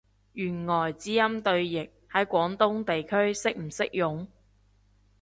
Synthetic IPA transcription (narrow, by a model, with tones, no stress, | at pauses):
jyː˨˩nŋɔː˨˩jt͡siː˨˥jɐ˥mt̪ɵ˧ɥjɪ˨k̚hɐ˨˥jkʷɔː˨˥ŋt̪ʊ˥ŋt̪e˨jkʰɵ˥ɥsɪ˥k̚m̩˨˩sɪ˥k̚jʊ˨˥ŋ